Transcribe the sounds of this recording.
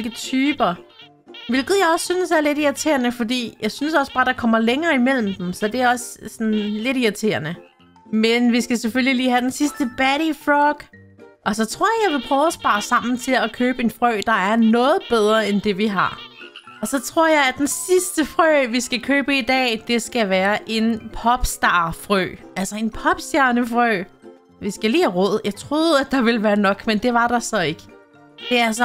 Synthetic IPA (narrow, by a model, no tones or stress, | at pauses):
lɡ̥ət͡sʰyːb̥ɐ | ʋe̝lɡ̥ð̩ˠjɑ̈ɪɒ̽sːynəsæɐle̝ɾiɐt͡sʰe̝̰ɐnəfɒ̽d̥ḭːjɑ̈ɪsynəsɒ̽sb̥ɑ̈ːɾ̥ɑ̈kʰɒ̽m̰ɐleŋɐːimel̰m̩d̥emsɒ̽d̥e̝æɒ̽ssɒnle̝ɾiɐt͡sʰe̝̰ːɐnə | menʋisɡ̥æsefølliliːhæd̥ensisd̥əb̥æɾifʁɔɡ̥ | ʔɒ̽sɒ̽t͡sʰʁo̝ɐ̰jjɑ̈ɪʋe̝pʰʁœːʊæsb̥ɑ̈ːsɑ̈m̰n̩t͡sʰe̝ækʰøːb̥əe̝nfʁœ̰ːd̥ɑ̈æɐnɔ̽ːð̞̩ˠb̥eð̞ˠʁɐend̥e̝ʋiɦɑ̈ | ɒ̽sɒ̽t͡sʰʁo̝ɐ̰jɑɪæd̥ensisd̥əfʁø̰ʋisɡ̥ækʰøːb̥əid̥ɛ̰ːd̥e̝sɡ̥æʋæːɐʔe̝npʰɒ̽b̥sd̥ɑ̈ːfʁø̰ːælsɐe̝npʰɒ̽b̥sd̥jæɐnəfʁœ̰ː | ʋisɡ̥ælḭːhæʁɔð̰ˠjɑ̈ɪt͡sʰʁo̝ːð̩ˠæd̥ɑ̈ʋe̝ləʋæːɐnɒ̽ɡ̥mend̥e̝ʋɑ̈ɾ̥ɑ̈sɒ̽e̝ɡ̥ə | d̥e̝æɐsɒ